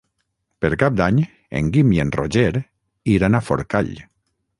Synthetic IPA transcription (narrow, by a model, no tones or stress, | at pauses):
peɾkap̚d̪aɲ | ḛŋɡimjenroʒeɾ | iɾanafo̰ɾkaʎ